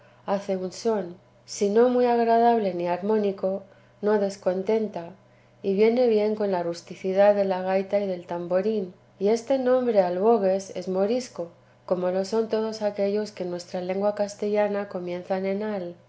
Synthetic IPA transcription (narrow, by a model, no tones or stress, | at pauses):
aθe̞unso̞n | sino̞mwiaɣɾaðaβle̞niaɾmõ̞niko̞ | no̞ðe̞sko̞nt̪e̞nt̪a | iβje̞ne̞βje̞ŋko̞nlarust̪iθiðaððe̞laɣ̞ajt̪aiðe̞lt̪ambo̞ɾin | ie̞st̪e̞nõ̞mbɾe̞alβo̞ɣ̞e̞se̞zmo̞ɾisko̞ | ko̞mo̞lo̞so̞nt̪o̞ð̞o̞sake̞ʎo̞ske̞nwe̞st̪ɾale̞ŋɡwakast̪e̞ʎanako̞mjẽ̞nθanẽ̞nal